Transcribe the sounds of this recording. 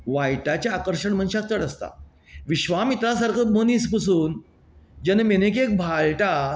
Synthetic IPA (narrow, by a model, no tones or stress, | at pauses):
ʋajʈat͡ɕjaːkəɾɕəɳm̤ənɕak̚t̪əɽəst̪a̰ | ʋiɕʋamit̪ɾasaɾkʰəmonispəsuːn | d͡ʑənmenek̬ek̚bʱaɭʈa